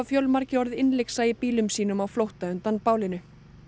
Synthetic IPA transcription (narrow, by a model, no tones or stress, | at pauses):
fjœlmaɾcɪɔɾðɪnlejksaːjɪpiːlʏmsiːnʏmawflowht̪aʏnt̪anpaːwlɪnʏ